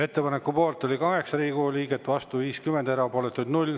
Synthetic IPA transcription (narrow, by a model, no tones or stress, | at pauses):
e̞t̪ːe̞pɑne̞kːupo̞ːlt̪ːˑolʲikɑɦe̞ksɑɾiːɡuliːɡet̪ːˑvɑst̪uviːskymend̪e̞ɾɑpoːlet̪ːˑud̪nulʲ